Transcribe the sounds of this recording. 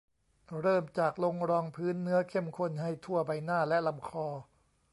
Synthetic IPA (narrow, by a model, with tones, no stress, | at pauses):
ɾɤː˥˩mt͡ɕaː˨˩k̚lo˧ŋɾɔː˧ŋpʰɯː˦˥nːɯ˦˥ɐkʰe˥˩mkʰo˧˩nha˥˩jt̪ʰu˥˩ɐba˧jnaː˥˩lɛ˦˥ʔla˧mkʰɔː˧